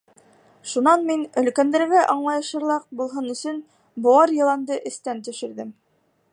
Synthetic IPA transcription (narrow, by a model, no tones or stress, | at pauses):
ʃunɑnminɵ̆lkænd̪æɾɡæʔɑɴlˠɑjɤ̆ʃɤ̆ɾlˠɑq̚bulˠɦɤnɵ̆sɵn | boɑɾjɤ̆lˠɑnd̪ɤʔɘ̆st̪ænt̪ɵ̆ʃɘ̆ɾðɘm